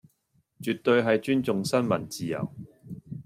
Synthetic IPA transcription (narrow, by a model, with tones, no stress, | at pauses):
t͡ʃyː˨t̪ːɵ˧ɥɦɐ˨jt͡ʃyː˥nt͡sʊ˨ŋsɐ˥nmɐ˨˩nt͡siː˨jɐ̰˨˩w